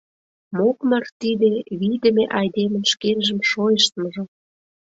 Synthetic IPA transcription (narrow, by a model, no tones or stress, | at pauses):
mokmɑrt̪id̪eβid̪ə̆meʔɑjd̪emə̆nʃkenʒə̆mʃojəʃt̪mə̆ʒɤ̆